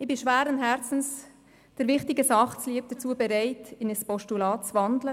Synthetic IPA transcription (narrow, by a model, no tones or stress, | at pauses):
ɪbɪʃʋæːɾənɦɛɾt͡sn̩s | d̥əɾʋɪχtɪɡəsɑχt͡sliəp̚d̥ət͡suəbɛɾaɪtɪnəspɔʃtulɑːtt͡svɑndlə